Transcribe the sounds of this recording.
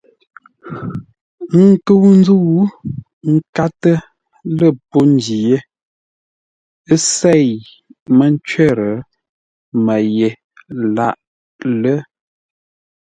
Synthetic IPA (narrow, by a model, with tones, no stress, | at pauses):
ŋ˦kə˦wn˦d͡zu˦˨˦ | ŋ̩˦ka˦tə˦ | lə˦˨po˦n˦di˨je˦ | ə˦se˦˨j | mə˦n˦t͡ʃɥɛ˦˨ɾə˨ | mə˨je˨ | la˦˨ʔ | lə˦